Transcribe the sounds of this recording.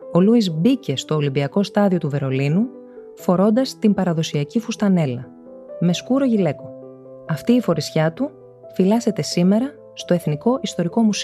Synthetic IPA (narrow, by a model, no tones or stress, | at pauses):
o̞luizbice̞st̪o̞ːlimbiɐko̞st̪ɐðio̞t̪uve̞ɾo̞linu | fo̞ɾo̞nd̪ɐst̪imbɐɾɐðo̞siɐcifust̪ɐne̞lɐ | me̞skuɾo̞ʝile̞ko̞ | ɐft̪iːfo̞ɾisçɐt̪u | filɐse̞t̪e̞sime̞ɾɐ | st̪o̞e̞θniko̞ʔist̪o̞ɾiko̞mus